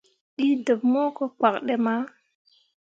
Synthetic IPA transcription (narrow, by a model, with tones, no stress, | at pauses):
ɗi˦də˨p̚mo˦ko˦k͡pa˨k̚ɗe˦ma˦